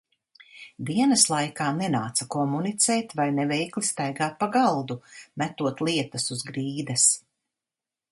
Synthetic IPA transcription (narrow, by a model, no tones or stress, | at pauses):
d̪iɛnɐslˠajkaːnɛnaːt̪sɐkɔmunit̪sɛjt̪vajnɛvɛjklist̪ajɡaːt̪̚paɡalˠd̪umʲæt̪uɔt̪lˠiɛt̪ɐsuzɡɾiːd̪ɐs